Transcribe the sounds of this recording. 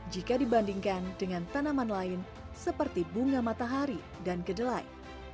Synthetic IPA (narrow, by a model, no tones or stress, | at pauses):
d͡ʒikadibandiŋkandəŋant̪anamanlaɪn | səpərt̪ibuŋamat̪aɦaɾi | dankədəlaj